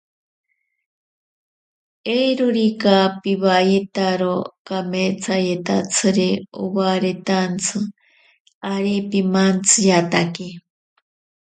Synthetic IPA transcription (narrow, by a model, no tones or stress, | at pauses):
ejɾoɾikapiβajet̪aɾokameːt͡sʰajet̪a̰t͡sʰɨɾio̰waɾet̪ant͡sʰɨ | aɾipimant͡sʰɨjat̪ake